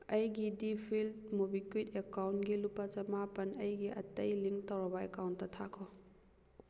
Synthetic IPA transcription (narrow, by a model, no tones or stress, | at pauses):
ɐjɡidipʰiltmobikwitekawntɡilupːɐt͡ʃɐmapɐnɐjɡiɐ̰tɐjliŋtɐwɾɐbɐḛkawntːɐtʰakʰɔ